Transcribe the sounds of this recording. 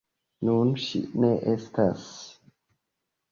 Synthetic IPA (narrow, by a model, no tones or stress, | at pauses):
nunʃḭʔneʔest̪ʰas